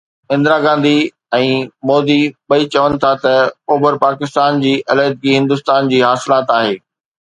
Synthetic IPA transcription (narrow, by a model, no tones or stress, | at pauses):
ɪ̃nd̪ɾaɡãːnd̪i | ɛ̃ːmoːd̪iɓɐit͡ɕɐʋənɪ̆t̪ʰat̪ɐoːbəɾpaːkɪst̪aːnd͡ʑiːʔɐləːd̪̚ɡiɦɪ̃nd̪ʊst̪aːnd͡ʑiːɦaːsɪlaːt̪aːɦeː